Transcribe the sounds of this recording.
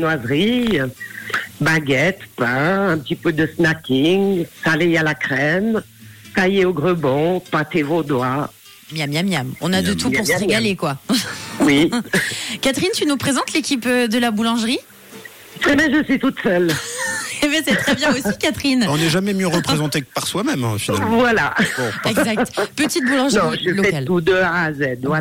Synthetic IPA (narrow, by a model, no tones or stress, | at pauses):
nwazʁi | baɡɛt̪pɛ̃ɛ̃pət̪ipød̪əsnakʲiŋsalɛjalakχɛm | t̪ajeoɡʁəbɔ̃pãt̪evod̪wa | mjamjamjamɔ̰̃nad̪ət̪upuʁsəʁeɡalekwa | wi | kat̪χint̪ynupχezɑ̃t̪lekʲipd̪əlabulɑ̃ʒʁi | t̪χɛbɛ̃ʒəsɥit̪ut̪sœl | ebɛsɛt̪χɛbjɛ̃osikat̪χinɔ̃nɛʒamɛmjøʁəpχezɑ̃t̪ekə̥paʁswamɛm̰̃finalmvwalaɔ̃ɛɡzakt̪pət̪it̪̚bulɑ̃ʒñĩʒəlɔɛalud̪əaazɛd̪vwa